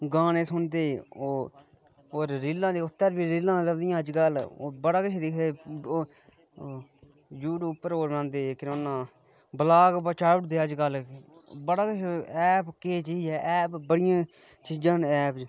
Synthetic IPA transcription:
ɡãːneːsʊnd̪eːoː | oːɾːɪlːãːd̪eːʊt̪ːəɾbiːɾɪlːãːləɡd̪ɪjãːəd͡ʒkəlːbəɽaːkət͡ʃʰed̪ɪkʰd̪eː | d͡ʒuːɽʊpːəɾoːɾbəɽãːnd̪eːkɪnonːãː | bəlaːɡbət͡ʃaːɽd̪eːəd͡ʒkəlbəɽaːkət͡ʃʰɛːpkeːt͡ʃiːd͡ʒɛːʔɛːpbəɽɪjãː | t͡ʃiːd͡ʒãːnɛːp

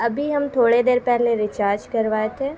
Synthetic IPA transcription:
ɐbʱiɦɐmt̪ʰoːɽed̪eːɾpɛɦleɾɪt͡ʃaːɾd͡ʒkɐɾʋaːet̪ʰeː

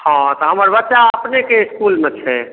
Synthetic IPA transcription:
hãt̪ɔɦəməɾbətːʃaəpnekeɪskulmet͡ʃʰɛ

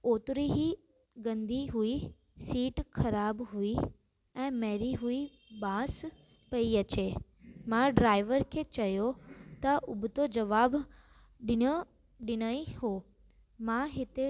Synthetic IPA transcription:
oːt̪ɾiɦi | ɡɐ̃nd̪ʱiɦui | siːʈxʰɐɾaːbɦui | ɛ̃ːmɐɾiɦui | bãːs | pɐiɐt͡ɕe | mãɖɾaːɪʋəɾkʰeːt͡ɕɐjot̪ɐʔʊbʱʊt̪od͡ʑɐʋaːb | ɗɪnə | ɗɪñaĩhoː | mãɦɪt̪e

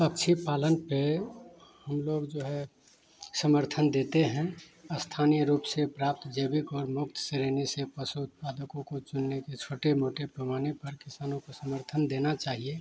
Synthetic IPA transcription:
əkt͡ʃʰipaːlənpe | həmloɡd͡ʒoːɦɛ | səməɾt̪ʰənd̪eːt̪eɦɛ̃ | əst̪ʰaːnijəɾuːpsepɾaːp̚t̪d͡ʒeːbɪkɔːɾmʊk̚t̪ʰseɾenesepəsuʊt̪̚paːd̪əkõkot͡ʃʊnːeket͡ʃʰoːʈemoːʈepɾəmaːnepəɾkɪsaːnõkosəməɾt̪ʰənd̪enat͡ʃaːɦie

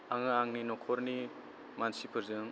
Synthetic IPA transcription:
aŋɯaŋninɔkʰɔɾni | mansipʰɯɾzɯŋ

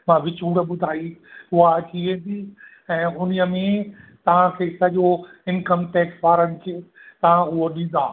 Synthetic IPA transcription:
mãʋɪt͡ɕuːɽ̆ɓʊd̪ʱaːiʊɦaɐt͡ɕiʋẽːnd̪iː | ɛ̃ːʊniəmẽt̪ɐʋ̤ãkʰeːsɐʄoɪnkəmʈɛːksʋaːɾəñɪ̆kʰeːt̪ɐʋ̤ãʊɦoɗĩːn̆d̪aː

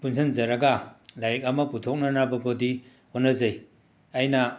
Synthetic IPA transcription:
punsʰɐnzɐɾɐɡalajɾek̚ɐmɐputʰok̚nɐnabɐbodi | honɐzaj | ɐjnɐ

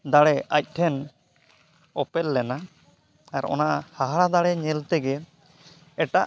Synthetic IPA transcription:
d̪aɽɛʔac̚ˀʈʰɛn | ɔpɛlːɛna | aɾɔ̰naʔhaɦaɽad̪aɽɛɲɛlt̪ɛɡɛ | ɛʈaʔ

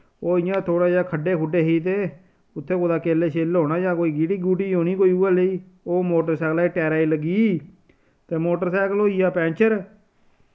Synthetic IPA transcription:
oːɪjãːt̪ʰoːɽaːd͡ʒaːkʰəɖeːkʰʊɖeːɦiːt̪eː | ʊt̪ʰːeːkoːd̪aːkeːleːʃeːlɦoːnaːjãːkoːiːɡiːʈiːɡuːʈiːoːniːkoːiːuːaːləiː | oːmoːʈəɾsɛːklaːiːʈɛːɾaːiːləɡiː | t̪eːmoːʈəɾsɛːkəloːijaːpɛ̃ːnt͡ʃəɾ

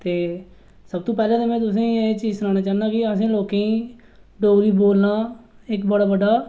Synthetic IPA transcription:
t̪eː | səb̚t̪õːpɛːlẽːd̪eːmɛ̃ːt̪ʊs̬ẽːĩet͡ʃiːd͡ʒsʊnãːɽ̃aːt͡ʃaːnd̪aːkɪəs̬ẽːloːkẽĩː | ɖoːɡɾiːboːlnaː | ɪkbəɽaːbəɖaː

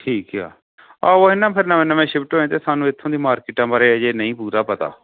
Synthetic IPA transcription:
ʈʰiːka̰ː | aːoːɦɪnːãːpʰɪɾnəmẽːnəmɛ̃ːʃɪpʰʈɦoːẽːt̪eːsaːnũːɪt̪ʰːõːd̪iːmaːɾkɪʈãːbəɾeːd͡ʒeːnəĩːpuːɾaːpət̪a̰ː

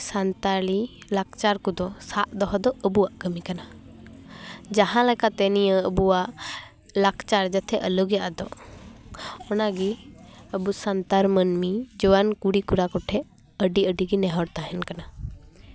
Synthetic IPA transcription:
sant̪alilak̚ʰt͡ʃaɾkud̪ɔsaʔd̪ɔɦɔd̪ɔʔəbuaʔɡəmikana | d͡ʒaɦãlakat̪ɛnijəəbuaʔ | lakʰt͡ʃaɾd͡ʒət̪ʰɛʔələɡjaʔd̪ɔ | ɔnaɡiəbusant̪aɾmənmid͡ʒɔwankuɽikuɾakɔʈʰɛ | əɖiəɖiɡinɛɦɔɽt̪aɦɛnkana

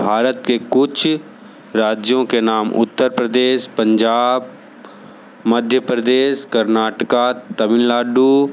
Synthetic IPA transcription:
bʱaːɾət̪kekʊt͡ʃʰ | ɾaːd͡ʒjõkenaːmʔʊ̰t̪ːəɾpɾəd̪eːʃpɐ̃ɲd͡ʒaːb | mɐd̪ʱjəpɾəd̪eːʃkɐɾnaːʈkat̪ɐmɪnlaːɖu

